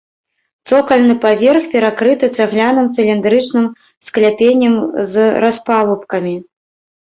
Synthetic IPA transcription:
t̪sɔkɐlʲnɨpavʲerxpʲɛɾakɾɨt̪ɨt̪sɐɣlʲanɨmt̪sɨlʲind̪ɾɨt͡ʂnɨm | sklʲapʲenʲːɐmzraspalˠupkɐmʲi

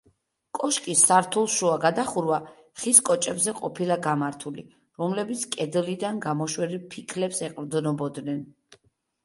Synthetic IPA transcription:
kʼɔʃkʼisːaɾt̪ʰulˠʃuaɡad̪aχuɾva | χiskʼɔt͡ʃʼɛbzɛqʼɔpʰilˠaɡamaɾt̪ʰuli | ɾɔmlɛbit̪sʰkʼɛd̪lid̪anɡamɔʃwɛɾipʰikʰlɛpsɛqʼɾd̪nɔbɔd̪nɛn

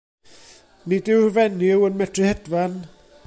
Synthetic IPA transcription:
nidɪwrvɛnɪwənmɛtʰrɨhɛdvan

